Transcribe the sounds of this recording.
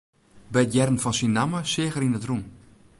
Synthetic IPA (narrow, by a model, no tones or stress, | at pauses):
bɛjtjɛrən̩fɔnsinːaməsɪəɣəɾinətrum